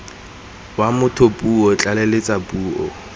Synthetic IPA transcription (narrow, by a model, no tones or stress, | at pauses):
wamʊtʰopʼuɔt͡ɬʼalɛlɪt͡sʼapʼuːɔ̰